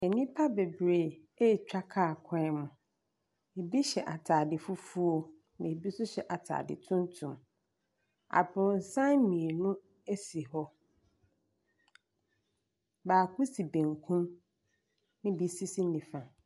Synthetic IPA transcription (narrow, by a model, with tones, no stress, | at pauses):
e˨nĩ˦pʰa˦be˨bɾe˨ | e˦˨t͡ɕᶣa˦kʰa˦˨kʷʰã˦ɛ˦mʊ̃˨ | e˨bi˦ɕɛ˨ʔa˨tʰaː˨dɪ˨fʊ˦fu˦o˦ | nã˨e˨bi˦sʊ˦ɕɛ˨ʔa˨tʰa̰ː˨dɪ̰˨tʰʊ̃˦ntʰʊ̃˨m | a̰˨bʊ̃˨n̩˨sã˦nmĩ˨e˨nʊ̃˦ | e˦si˨hɔ˦ | baː˨kʰu˦si˨bẽ˨ŋkʰũ˦m | nɪ̃˦bi˨si˦si˦nː˦ɪ̃˨fã˨